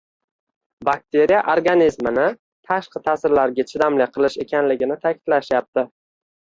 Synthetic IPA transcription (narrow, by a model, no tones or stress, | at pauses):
bak̚t̪ʰe̞ɾijaʔoɾɡanizmɪnɪ | t̪ʰaʃqɨt̪ʰaːsɪɾlaɾɡʲat͡ʃʰɪd̪amlɪqʰɨlˠɪʃe̞kʲʰanlɪɡʲɪnɪt̪ʰakʲʰɪ̥d̪̥laʃjap̚t̪ɪ